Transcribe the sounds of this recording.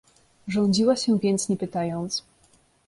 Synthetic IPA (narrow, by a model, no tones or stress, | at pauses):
ʐɔɲd͡ʑiwaɕɛvʲjɛnt̪sɲɛpɘt̪ajɔnt̪s